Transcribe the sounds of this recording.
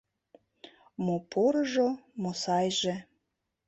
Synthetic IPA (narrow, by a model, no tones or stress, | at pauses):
mopʰoɾɤʒomosɑjʒe